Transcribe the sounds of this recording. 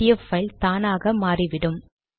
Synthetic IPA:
ɪjɐfɐɪlt̪aːnaːɣɐmaːriʋɪɽɯm

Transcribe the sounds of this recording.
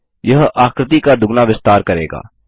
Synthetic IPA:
jɐɦaːkɾɪt̪̬ikad̪ʊɡnaʋɪst̪aːɾkɐɾḛːɡa̰ː

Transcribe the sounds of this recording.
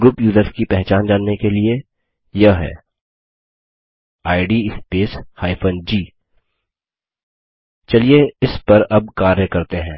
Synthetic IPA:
ɡɾʊpjuːzəɾskipɛɦt͡ʃaːnd͡ʒaːnːekelie | jɐɦɛ̰ː | aːɪɖiɪspeːshaːɪfʰənd͡ʒiː | t͡ʃɐlieɪspɐɾɐb̚kaːɾjəkɐɾt̪eɦɛ̃ː

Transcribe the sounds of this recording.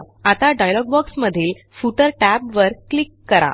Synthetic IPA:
at̪aɖajlɔɡbɔksməd̪ʱiːl | fuʈəɾʈæbʋəɾklikːəɾa̰

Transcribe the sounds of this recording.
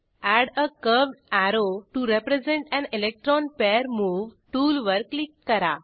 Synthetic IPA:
æɽəkəʋɖaɾoʈuɾepɾed͡zẽɳʈɛ̃nelek̚ʈɾɔnpeɾmuʋʈuːlʋəɾklikːəɾa

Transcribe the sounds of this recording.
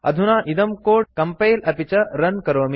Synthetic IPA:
ɐ̰d̪ʱunaːʔid̪ɐmkoːɖkɐmpɐjlɐpit͡ʃɐɾɐnkɐɾoːmi

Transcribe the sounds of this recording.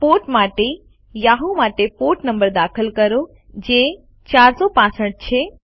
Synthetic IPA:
poʈmaʈe | jaɦumaʈepoʈnəmbəɾd̪akʰəlkəɾo | d͡ʒe | t͡ʃaɾsopãsəʈ̚t͡ʃʰe

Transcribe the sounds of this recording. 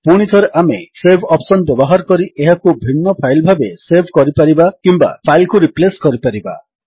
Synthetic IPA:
puɽ̃it̪ʰɔɾeʔamesebʱɔpsɔnbebɔɦaɾɔkɔɾiʔeɦakubʱinːɔpʰajlbʱabesebʱkɔɾipaɾibakimba̰pʰajlkuɾipleskɔɾipaɾiba̰

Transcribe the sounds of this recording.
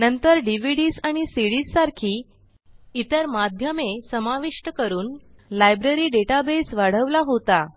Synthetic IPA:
nənt̪əɾɖiʋ̤iɽiːsaɽ̃isiɽisːaɾkʰiː | it̪əɾmad̪ʱjəmesəmaʋiʂʈəkəɾuːn | lajbɾeɾiːɖeʈabesʋaɽ̤əʋlaɦot̪a

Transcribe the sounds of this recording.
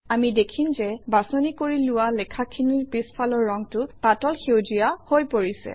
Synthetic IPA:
amidekʰinzɛbasonikoɹilʊwalɛkʰakʰiniɹpispʰalɔɹːɔŋtʊpatɔlxewzijahojpoɹisɛ̰

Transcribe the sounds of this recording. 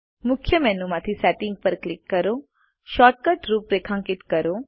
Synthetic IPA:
mʊkʰjəmɛnumãt̪ʰisɛʈɪŋɡ̚pəɾklɪkːəɾo | ʃɔʈ̚kəʈɾuːpɾekʰãŋkɪt̪kəɾo

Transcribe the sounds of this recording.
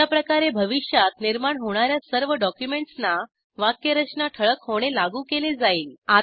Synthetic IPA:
apɾəkaɾebʱəʋiʂjat̪niɾmaɳɦoɽ̃aɾjasəɾʋəɖɔkjumeɳʈsna | ʋakːəɾət͡ɕnaʈʰəɭəkhoɽ̃elaɡuːkeled͡zaiːla

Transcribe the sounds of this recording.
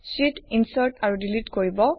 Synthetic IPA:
sitinsaɹtaɹudilitkoɹibɔ

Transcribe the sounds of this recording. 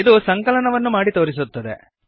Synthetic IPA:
id̪usɐŋkɐlɐnɐʋɐnːumaːɽit̪o̞ːɾis̬ut̪ːɐd̪ḛ

